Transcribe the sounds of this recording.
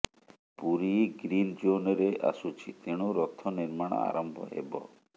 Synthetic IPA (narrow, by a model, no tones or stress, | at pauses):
puɾiɡɾind͡ʒoneɾeʔa̰sut͡ʃʰit̪eɽ̃uɾɔt̪ʰːɔniɾmaɽ̰̃a̰ɾɔmbʱɔ̰ɦḛbɔ̰